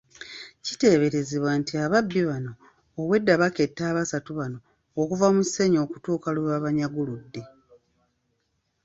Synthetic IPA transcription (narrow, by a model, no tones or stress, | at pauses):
cite̞ːβe̞ɾe̞ziβwaːntiaβabːiβano̞ː | we̞dːaβake̞tːaːβasatuβano̞ː | kuvamusːe̞ɲo̞ːku̥tuːkaluβaβaɲaɡuludːe̞